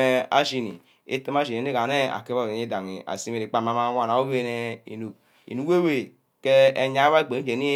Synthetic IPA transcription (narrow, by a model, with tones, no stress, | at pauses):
e˦a̰˨ʃi˨nḭ˨ | ḛ˦te˦m˦a˦ʃi˨e˨ne˦ka˨ne˦a̰˨ke˦βo˦˨˦e˦da˨ŋi˨a̰˨si˦me˨ɾi˨k͡pa˨ma˦ma˦wa˨na˨wo˦be˦˨nɛ˦ḭ˨nu˨ | ḭ˨nu˨˦we˦we˨ | ke˦e˨˦ɲa˨˦a˦˨ɡ͡be˨˦i˦d͡ʒe˨ni˦